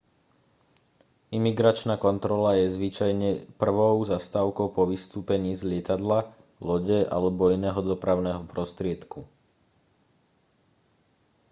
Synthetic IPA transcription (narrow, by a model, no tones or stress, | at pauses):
imiɡɾat͡ʃnaːkɔnt̪ɾɔlajɛzʋit͡ʃajɲɛpr̩ʋɔʊzast̪aːʊkɔʊpɔʋist̪uːpɛɲiːzlɪɛt̪ad̪la | lɔɟɛʔa̰lɛbɔinɛːɦɔd̪ɔpɾaʊnɛːɦɔpɾɔst̪ɾɪɛt̪ku